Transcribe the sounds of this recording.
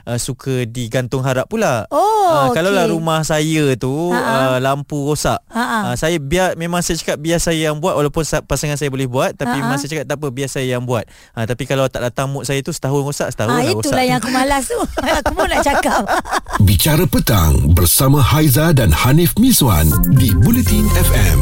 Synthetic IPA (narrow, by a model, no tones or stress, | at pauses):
ʔəsukʰədiɡant̪ʊŋɦaɾaʔ̚pulahokalawlaɾumahsajət̪uəlampuɡosaʔaʔəsajabiamẽmãŋsajat͡ʃḁkap̚biasajəjaŋbuat̪walawpʊnsapasaŋans̬ajabolɛhbuat̪̚ːapiemãŋsajat͡ʃakap̚t̪apəbiassajajaŋbuat̪̚ | ʔət̪apikalawt̪aʔdat̪aŋmʊt̪̚sajat̪usə̥t̪aɦunɡosaʔsə̥t̪aɦuiiɡoualajakumalast̪uakəmanaʔt͡ʃakap̚bit͡ʃaɾəpət̪a̰ŋbərsamãhajzadanhanifmĩswa̰ndibulət̪inɛfɛ̰m